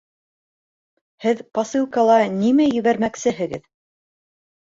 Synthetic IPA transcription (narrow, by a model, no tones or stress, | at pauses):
hɘðpɑsɨlˠkɑlˠɑnimæjɘ̆βæɾmæksɘɦɘ̆ɡɘð